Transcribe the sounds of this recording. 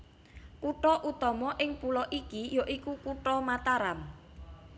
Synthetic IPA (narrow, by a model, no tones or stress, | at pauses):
kuʈɔʔut̪ɔmɔʔɪŋpulɔʔikijoʔikukuʈɔmat̪aɾam